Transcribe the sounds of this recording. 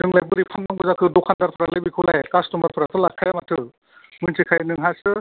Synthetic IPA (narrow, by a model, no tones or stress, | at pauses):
zɯŋlajbɯɾipʰanmaŋbɯzakʰɯdɔkʰandaɾpʰɯɾalɯbikʰɯlajkastɔmaɾpʰɯɾatʰɯlakʰːajamatʰɯ | mɯnsʰikʰajnɯŋɦasɯ